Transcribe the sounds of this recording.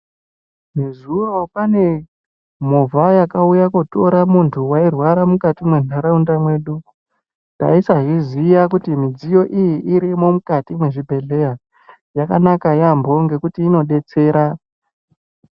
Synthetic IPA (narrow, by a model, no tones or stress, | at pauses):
nezuro̞pane̞ | movʱajakaujakoto̞ɾamuntʰuwairwaɾamukatimwenaɾaundamweɗu | da̰isaɦizijakutimid͡zijo̞ʔijiʔiɾimo̞mukatimweʐibʱe̞ɮe̞ja | jakanakajambo̞ŋɡe̞kutiːno̞ɗe̞t͡se̞ːɾa